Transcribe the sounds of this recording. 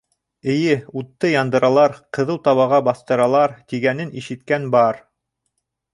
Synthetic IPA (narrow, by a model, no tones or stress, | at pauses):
ɘ̆jɘut̪ːɤjɑnd̪ɤ̆ɾɑlˠɑɾqɤ̆ðɤlˠt̪ɑβɑʁɑbɑθt̪ɤ̆ɾɑlˠɑɾt̪iɡænɘniʃɘ̆t̪kænbɑɾ